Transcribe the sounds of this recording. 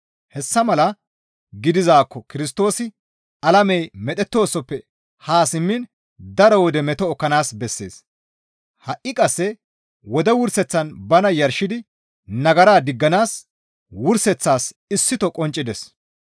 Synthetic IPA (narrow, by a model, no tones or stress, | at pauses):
hɛsːɐmɐlɐ | ɡɪd̪ɪzaːkːɔkɪɾɪs̬t̪o̞ːsɪ | ɐlɐmɛjmɛt̪ʼɛt̪ːo̞ːsɔpːɛ | haːsɪmːɪn | d̪ɐɾɔwɔd̪ɛmɛt̪ɔːkːɐnaːsbɛsːe̞̰ːs | hɐʔːɪkʼɐsːɛ | wɔd̪ɛwʊɾsɛt͡sːɐnbɐnɐjɐɾʃɪd̪ɪ | nɐɡɐɾaːd̪ɪɡːɐnaːs | wʊɾsɛt͡sːaːs | ɪsːɪt̪ɔkʼɔnt͡ʃʼːɪd̪ɛs